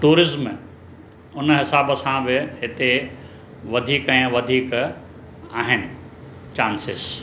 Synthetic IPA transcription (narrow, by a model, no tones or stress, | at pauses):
ʈuːɾɪzm | ʊnɦɪsaːbsãbɪɦɪt̪e | ʋɐd̪ʱiːkɛ̃ːʋɐd̪ʱiːk | aːɦɪnɪ̆ | t͡ɕaːnsɪs